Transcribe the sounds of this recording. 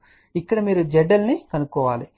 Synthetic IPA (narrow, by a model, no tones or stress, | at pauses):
ikːɐɽɐmiːɾud͡ʒɛɖːɐlnikɐnukːɔːʋaːli